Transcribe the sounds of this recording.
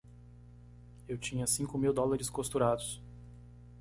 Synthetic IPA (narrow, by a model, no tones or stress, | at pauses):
ewt͡ʃĩɲɐsĩŋkʊmiwd̪ɔlaɾɪskost̪uɾad̪ʊs